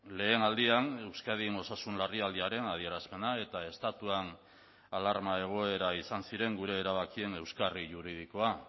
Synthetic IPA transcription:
le̞ːnald̪iane̞wskað̞ino̞sasunlariald̪iaɾe̞naðie̞ɾaspe̞nae̞t̪ae̞st̪at̪uan | alaɾmae̞ɣ̞o̞e̞ɾaisansiɾe̞ŋɡuɾe̞ːɾaβakie̞ne̞wskariʝuɾið̞iko̞a

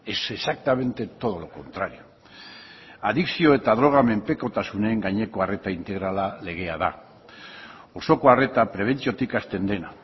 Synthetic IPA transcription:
e̞sesak̚t̪ame̞nt̪e̞t̪o̞ð̞oloko̞nt̪ɾaɾio̞ | aðiksio̞e̞t̪aðɾo̞ɣ̞ame̞mpe̞ko̞t̪asune̞ːŋɡaɲe̞ko̞are̞t̪aint̪e̞ɣ̞ɾalale̞ɣ̞e̞að̞a̰ | o̞so̞ko̞are̞t̪apɾe̞β̞e̞nt͡sio̞t̪ikast̪e̞nd̪e̞na

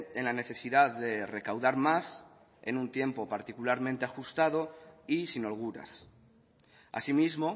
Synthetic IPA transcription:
enlane̞θe̞siðaððe̞re̞kawðaɾmas | e̞̰nũnt̪je̞mpo̞paɾt̪ikulaɾmẽnt̪e̞axust̪að̞o̞isinolɣ̞uɾa̰s | a̰simizmo̞

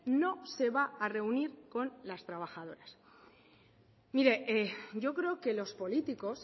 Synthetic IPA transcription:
no̞se̞βaːre̞uniɾko̞nlast̪ɾaβ̞axaðo̞ɾas | miɾe̞eɟ͡ʝo̞kɾe̞oke̞lo̞spo̞lit̪iko̞s

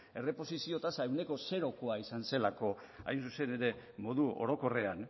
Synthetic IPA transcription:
e̞re̞po̞sisio̞t̪asaewne̞ko̞se̞ɾo̞koaisanse̞lako̞ | a̰jnsuse̞ne̞ɾe̞mo̞ðuo̞̰ɾo̞ko̞re̞an

